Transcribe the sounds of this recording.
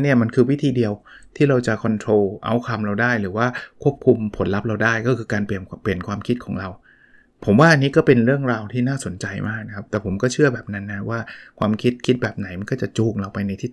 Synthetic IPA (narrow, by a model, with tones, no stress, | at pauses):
ni˥˩ɐma˧nkʰɯː˧wi˦˥t̪ʰiː˧di˧əwt̪ʰiː˥˩ɾa˧wt͡ɕa˨˩kʰɔ˧nt̪ʰɾoː˧ʔa̰˧˩wkʰa˧mɾa˧wdaː˥˩jɾɯː˩˦waː˥˩kʰu˥˩əp̚kʰu˧mpʰo˩˦nla˦˥p̚ɾa˧wdaː˥˩jkɔː˥˩kʰɯː˧kaː˧npi˨˩əmpli˨˩ənkʰwaː˧mkʰi˦˥t̪̚kʰɔː˩˦ŋɾa˧w | pʰo˨˩˦mwaː˥˩ʔa˧nːiː˦˥kɔː˥˩pe˧nɾɯ˥˩əŋɾaː˧wt̪ʰiː˥˩naː˥˩so˨˩˦nt͡ɕa˧jmʔaː˥˩k̚na˧˦kʰa˦˥p̚t̪ɛː˨˩pʰo˩˦mkɔː˥˩t͡ɕʰɯ˥˩ɐbɛː˨˩p̚na˦˥nːa˦˥wʔaː˥˩kʰwaː˧mkʰi˦˥t̪̚kʰi˦˥t̪̚bɛː˨˩p̚na˨˩˦jma˧nkɔː˥˩t͡ɕa˨˩t͡ɕuː˨˩k̚ɾa˧wpa˧jna˧jt̪ʰiː˦˥˩